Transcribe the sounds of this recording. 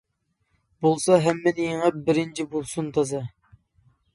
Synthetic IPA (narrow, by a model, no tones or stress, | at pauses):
bolˠsɑɦɛmːɪnijŋəp̚bɪɾɪnt͡ʃʰibolˠsunt̪ʰɑzɑ